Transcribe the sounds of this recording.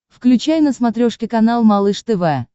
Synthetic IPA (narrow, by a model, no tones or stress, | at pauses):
fklʲʉt͡ɕajnəsmɐt̪ɾʲoʂkʲɪkɐnalˠmɐlˠɨʂt̪ɛvɛ